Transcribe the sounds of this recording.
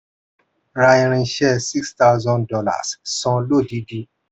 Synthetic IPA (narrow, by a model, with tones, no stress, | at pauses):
ɾa˧i˧ɾ̃ĩ˧ʃɛ˦˨si˦ksta˦ʊzɔ̃˧ndɔ˧la̰˨ssɔ̃˧lo˦˨di˨˦di˧˦